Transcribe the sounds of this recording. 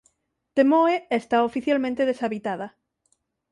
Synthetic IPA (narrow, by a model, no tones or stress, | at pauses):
t̪emoeest̪aofiθjalmẽnt̪eð̞esaβit̪aða